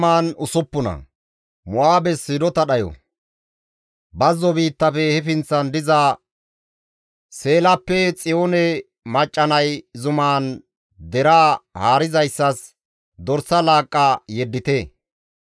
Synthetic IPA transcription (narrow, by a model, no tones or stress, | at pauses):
maːnʊsʊpːʊnɐ̰ | mʊʔaːbɛsɪɾɔt̪ɐɗɐjɔ̰ | bɐzːɔbiːt̪ːɐfɛhɛfɪnt͡sːɐnd̪ɪza | se̞ːlɐpːɛt͡sʼɪjoːnɛ | mɐt͡ʃʼːɐnɐjzʊmaːn | d̪ɛɾaːhaːɾɪzɐjsːɐs | d̪ɔɾsɐlaːkʼːajɛd̪ːɪt̪ɛ